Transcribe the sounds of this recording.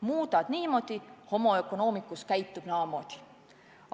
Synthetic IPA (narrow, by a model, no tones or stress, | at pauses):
muːd̪ɑd̪̥niːmo̞d̪̥iho̞mo̞e̞kono̞ːmikːˑuskæjt̪ːub̥nɑːmo̞d̪̥i̥